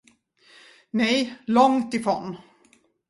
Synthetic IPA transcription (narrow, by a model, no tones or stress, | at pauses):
nɛjlɔŋt̪ɪfɾo̰n